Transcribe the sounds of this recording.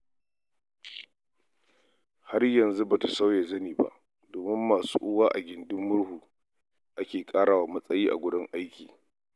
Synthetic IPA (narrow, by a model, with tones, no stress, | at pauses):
ha˦rjɐ˨nzu˦ba˨ta˨sa˦wje˨zɐ˦niː˨ba̰˨ʔ | doː˨mɪ˦mːaː˨sṵː˦ʔʊ˦waː˦ʔa˨ɡʲɪ˨ndɪ˦mːʊ˦ɽhuː˨ | ʔa˦kʲeː˨kʼaː˦ɽaː˨wa˨mɐ˦sʼɐ˦jiː˦ʔa̰˨ɡʷʊ˦dɪ˦ŋʔa˦jkʲiː˨